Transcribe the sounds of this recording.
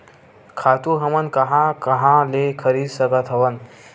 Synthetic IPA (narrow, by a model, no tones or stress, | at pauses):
kʰat̪uɦɐmənkɐɦãkɐɦãlekʰəɾiːd̪səɡat̪ʰɐʋən